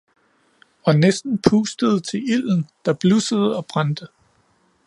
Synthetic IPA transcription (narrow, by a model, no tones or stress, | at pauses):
ɒ̽nesd̥n̩pʰuːsd̥əð̞̩ˠt͡sʰe̝il̰n̩d̥ɑ̈b̥lusəð̞ˠəɒ̽b̥ʁand̥ə